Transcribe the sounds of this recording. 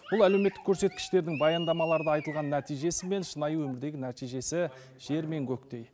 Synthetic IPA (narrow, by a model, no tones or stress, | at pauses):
bʊlˠæle̞wme̞t̪ːɪ̥kʰʲːɵɾse̞t̪̚kʲɪ̥ʃt̪e̞ɾd̪ɪŋbɑjɑnd̪ɑmɑlˠɑɾd̪əɑjt̪əlˠʁɑnːæt̪ijʒe̞sɪme̞nʃənɑjəwɵmɪɾd̪e̞ɡʲɪnæt̪ijʒe̞sɪ | ʒ̥e̞ɾme̞ŋkʲʰɵkt̪e̞j